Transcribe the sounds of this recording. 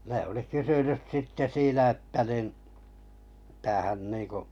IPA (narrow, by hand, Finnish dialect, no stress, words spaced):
ne oli kysynys sitːe siːnæ etːæ nin mitæ hæn niːŋku